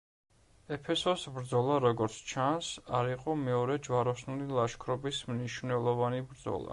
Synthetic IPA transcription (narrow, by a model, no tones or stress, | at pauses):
ɛpʰɛsɔsbɾd̪zɔlˠaɾɔɡɔɾt̪sʰt͡ʃʰansaɾiqʼɔmɛɔɾɛd͡ʒwaɾɔsnulilˠaʃkʰɾɔbismniʃvnɛlˠɔvanibɾd̪zɔ̰lˠa̰